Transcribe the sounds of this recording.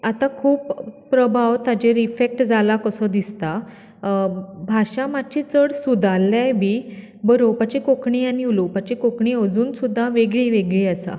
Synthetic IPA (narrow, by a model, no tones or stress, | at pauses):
at̪akʰuːppɾəbʱaʋt̪ad͡ʑeɾifek̚ʈd͡zalakəsɔd̪ist̪a | bʱaɕamat͡ɕit͡səɽsud̪ʱalːjajbʱiː | bəɾopat͡ɕikokɳiːaniulupat͡ɕikokɳiəd͡zuːnsud̪ʱːaʋeɡɭiːʋeɡɭiːəsa̰